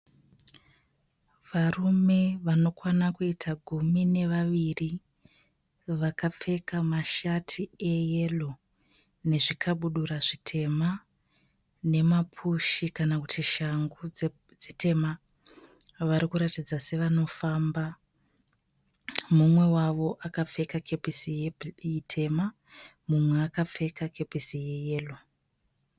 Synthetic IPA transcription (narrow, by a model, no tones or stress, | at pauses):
ʋarume̞ʋano̞kwanakuitʰaɡʱumine̞ʋaʋiri | ʋakap͡fe̞kamaʃatʰiejelo | ne̞ʐikʰaɓuɗuɾaʐitʰe̞ma | ne̞mapʰuʃikanakutʰiʃaŋɡu | d͡zete̞ma | ʋaɾikuɾatid͡zase̞ʋano̞famba | mumwe̞waʋo̞ʔakafe̞kakepisiitʰe̞ma | mumwe̞akap͡fe̞kakepisije̞je̞ːlo̞